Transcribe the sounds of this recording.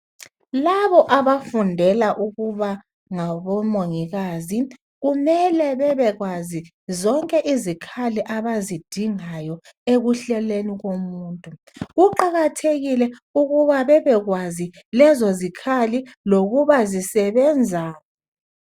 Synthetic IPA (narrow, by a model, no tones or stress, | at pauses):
laβɔʔaβafundʱɛlaʔuɣuβa | ŋaβɔmoŋiɣaːzi | ɣumɛlɛβɛβɛɣwazi | zɔŋkʼɛʔizikʰaliʔaβazid̥ʱiŋajɔ | eɣuɬɛleniɣomuːntʼu | ɣuǃaɣatʰeɣilɛuɣuβaβɛβɛɣwazi | lɛzozikʰaliloɣuβazisɛβɛnd͡zʱaːjɔ